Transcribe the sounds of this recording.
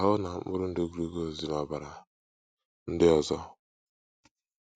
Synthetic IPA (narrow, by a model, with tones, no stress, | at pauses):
ɦʊ˦na˨˦mʊ˦ɾʊ˦n̩˦do˦ɡu˨ɾu˦ɡo˦˨zi˨n˨a˨ba˨ɾa˨ | n̩˦dɪ˦ɔ˨zɔ˦